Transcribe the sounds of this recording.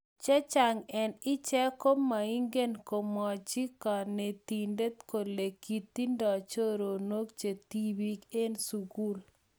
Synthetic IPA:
t͡ʃɛ˦t͡ʃa˨ŋɛ˨nɪ˦t͡ʃɛ˦ko˦ma˨i˦ŋɡe˦nko˨mɔ˨t͡ʃi˦ka˨ne˨t̪i˨nde˦t̪̚ko˨le˨ki˨t̪i˦ndɔ˨t͡ʃo˦ɾo˨no˦k̚t͡ʃe˨t̪i˦wi˦ke˦nsu˨ɡu˦l

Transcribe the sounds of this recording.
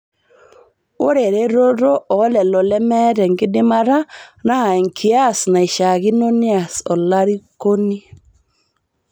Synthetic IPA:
o˦ɾe˨ɾe˦ɾo˦ɾo˦ʔɔ˨˦lɛ˨lɔ˨lɛ˦mɛ˦ɾɛ˨ŋɡɪ˦dɪ˦ma˦ɾa˦na˦˨ɛ˨ŋkʰi˦a˦sna˨i˨ʃa˨ɣi˦no˦nɪ˦a˨sɔ˨la˦ɾi˦ko˦ni˦

